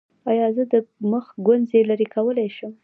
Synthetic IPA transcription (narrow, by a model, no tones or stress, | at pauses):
ɑjɑzəd̪əməxɡanzelaɾekawəlajʃəm